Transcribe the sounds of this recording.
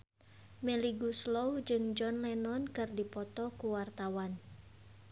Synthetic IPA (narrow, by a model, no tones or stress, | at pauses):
mɛliɡuslɔwd͡ʒɨŋd͡ʒɔnlɛnɔnkɨrdipɔt̪ɔkuwart̪awan